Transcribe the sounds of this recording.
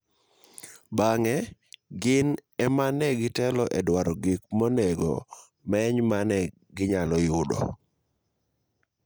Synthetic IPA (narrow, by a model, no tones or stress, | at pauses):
baŋɛɡɪnɛmanɛɡɪtɛlɔʔɛdwaɾɔɡik̚mɔnɛɡɔ̰ | mɛɲmanɛ | ɡɪɲalɔjʊdɔ̰